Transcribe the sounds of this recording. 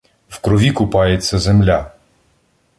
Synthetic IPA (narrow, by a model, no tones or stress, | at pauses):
wkɾɔʋʲikʊpɑjet͡sʲːɐzemlʲa